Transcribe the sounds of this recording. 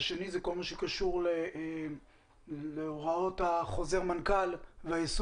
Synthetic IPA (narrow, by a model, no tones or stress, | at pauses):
ʃenizeko̞lmaʃekaʃuʁle | leoʁao̞thaχo̞zeʁmankalveajes